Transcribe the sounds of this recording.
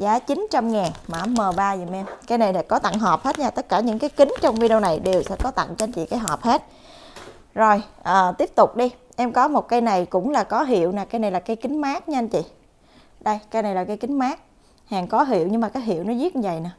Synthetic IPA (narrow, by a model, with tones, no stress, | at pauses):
zaː˨˦t͡ɕi˨˦nt͡ɕa˧mŋaː˨˩nmaː˧˩mːəː˨˩ɓaː˧zi˨mʔɛ˧mkaː˨˧jna˨˩jla̰˧˥kɔ˨˦t̪a̰˧˨ŋɦɔ˨˩p̚he˦˥t̚ɲaː˧˩t̪ə˦˥t̚kaː˧˩ɲɨ̰˧˥ŋkaː˨˦jkï˨˦ŋ̟t͡ɕɔ˧wŋ͡mvi˧ɗi˧na˨˩jɗe˨˩wsɛ̰˧˥kɔ˨˦t̪a̰˧˨ŋt͡ɕe˧nt͡ɕḭ˧˨kaː˨˦jɦɔ˨˩p̚he˦˥t̚ | zo˨˩jʔəː˨˩t̪i˦˥əp̚t̪ʊ˨˩k͡p̚ɗi˧ | ʔɛ˧mkɔ˨˦mo˨˩t̚kaː˧jna˨˩jkʊ̰˧˥ŋ͡mlaː˨˩kɔ˨˦ɦḭ˧˨əwnaː˨˩kaː˧jna˨˩jlaː˨˩kaː˧jkï˨˦ŋ̟maː˦˥k̚ɲ˧nt͡ɕḭ˧˨ | ɗə˧jka˧jna˨˩jlaː˨˩ka˨˧jki˨˦ŋ̟maː˦˥k̚ | haː˨˩ŋkɔ˨˦ɦḭ˧˨əwɲɨ˧ŋmaː˨˩kaː˨˦jɦi˧˨əwnɔ˨˦zi˦˥t̚ɲɨ˧və̰˧˨jna˨˦